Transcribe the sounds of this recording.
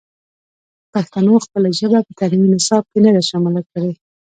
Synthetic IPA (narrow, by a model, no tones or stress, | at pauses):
paxt̪anoxpəlaʒəbapət̪aliminɪsɑb̚kenad̪aʃɑmɪlakəɽe